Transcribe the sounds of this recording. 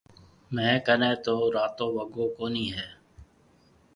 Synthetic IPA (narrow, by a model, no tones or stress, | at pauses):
mɛ̃ːkənẽːt̪oːɾaːt̪õːʋəɡoːkoːniːɦɛː